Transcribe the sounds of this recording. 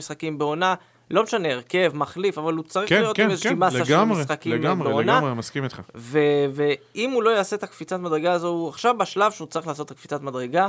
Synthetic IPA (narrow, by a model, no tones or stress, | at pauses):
isχakimbeo̞na | lo̞meʃane̞ːʁke̞vmaχlifavalut͡saʁiχjotimezʃimaaʃamʁisχakimameonaemaskimit̪χaveveimulo̞jaːse̞t̪akfit͡sat̪mad̪ʁeɡaːzo̞uaχʃavbaʃlavʃeut͡saʁiχlaːso̞t̪ːakfit͡sat̪mad̪ʁeɡa